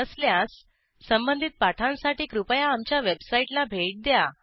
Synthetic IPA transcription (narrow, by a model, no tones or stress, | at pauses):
əsljasː | əmbənd̪ʱit̪̚paʈʰãnsaʈiːkɾupəjãːmt͡ɕjaʋebsaiʈlabʱeʈ̚d̪ja